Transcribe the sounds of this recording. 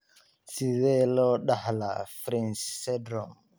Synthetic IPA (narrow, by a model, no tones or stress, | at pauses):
siwɛlɔɗahla̰fɾɛnssɛdɾɔm